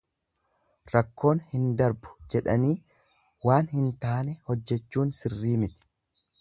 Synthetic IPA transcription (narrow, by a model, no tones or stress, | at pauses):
ɾɐkːo̞ːnhɪnd̪ɐɾbʊ̥d͡ʒɛᶑɐniː | waːnhɪnt̪aːnɛhɔd͡ʒːɛt͡ʃːuːnsɪrːiːmɪt̪ɪ̥